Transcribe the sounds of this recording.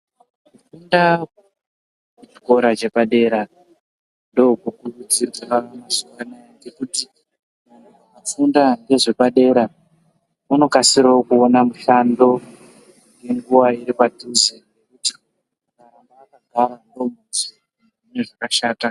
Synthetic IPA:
kufunda | kut͡ʃi̥ko̞ɾat͡ʃe̞paɗe̞ːɾa | ndo̞kukurud͡ziraamasuwanajaŋɡe̞kuti | man̤uamafundaŋɡe̞ʐe̞paɗe̞ːɾa | uno̞kasiɾaokuonamuɬando̞ | ŋɡe̞ŋɡuʋaiɾipadʱusenekuti | ukarambaːkaɡʱaɾando̞muti | ʐineʐakaʃaːta

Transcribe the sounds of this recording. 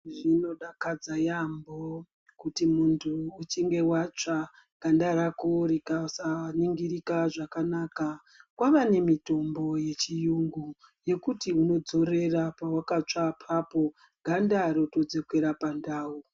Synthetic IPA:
ʐino̞ɗakad͡zajambo | kutimuntʰuːt͡ʃiŋɡe̞wat͡ʂa | ɡ̥ʱandaɾakoɾekausaniŋɡiɾikaʐakanaːka | kwaʋane̞mito̞mbo̞je̞t͡ʃijuŋɡu | je̞kutiuno̞d͡zo̞re̞rapawakat͡ʂapʰapo̞ | ɡʱandaɾo̞to̞d͡zekweɾapandaːu

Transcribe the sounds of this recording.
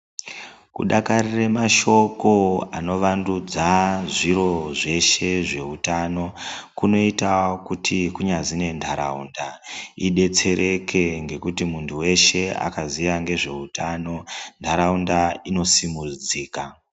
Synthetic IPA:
kṵɗakariremaʃo̞ko̞ano̞ʋandud͡zaʐiɾo̞ʐe̞ʃe̞ʐe̞utano̞kuno̞itakutʰikuɲazine̞ndʰʱaɾaundaiɗe̞t͡se̞ɾʔe̞kʰe̞ŋɡe̞kutimuntʰuwe̞ʃe̞a̰kazijaŋɡe̞ʐe̞utano̞ndʱaɾaundaino̞simud͡ziːka

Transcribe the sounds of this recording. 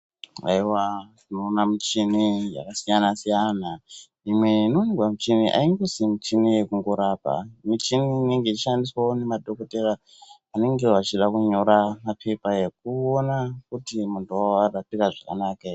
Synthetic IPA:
a̰iwatinoːnamit͡ʃinija̰kasijanasijana | imwe̞inonirwamit͡ʃiniʔa̰iŋɡosimit͡ʃinije̞kuŋɡoɾapa̰mit͡ʃinine̞ŋɡeit͡ʃʃandiswane̞madoko̞tera | ane̞ŋɡe̞wat͡ʃiɗakuɲo̞ɾamapʰe̞paje̞k̚uonak̚utimuntuawaratikaʐaka̰naːka

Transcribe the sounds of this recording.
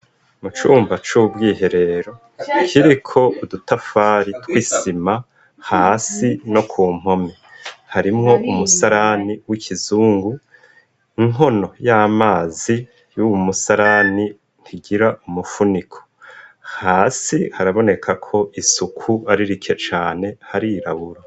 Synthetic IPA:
mut͡ʃuːmbat͡ʃubɡiːɦe̞ɾe̞ɾo̞ | kʰiɾikʰo̞udutafaːɾitwiːsima | haːsino̞kʰuːm̥ho̞mehaɾimŋo̞ʔumusaɾaniwikʰizuːŋɡu | iŋono̞jaːmaːzi | jumusaɾani | n̥tʰiɡiɾaʔumufunikʰo̥haːsihaɾaβo̞ne̞kʰakʰo̞ʔisukʰuaɾiɾikʰe̞t͡ʃaːne̞haɾiɾaβuɾa

